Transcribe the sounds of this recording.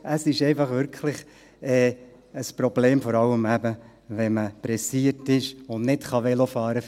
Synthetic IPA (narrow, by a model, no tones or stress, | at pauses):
əsɪʃɛɪfɑχʋʏɾkʰlɪχ | ɛː | əspɾɔb̥leːmfɔɾɑləmæbə | ʋɛməpɾɛsiətɪʃʊnnɪtχɑʋɛlofɑːɾə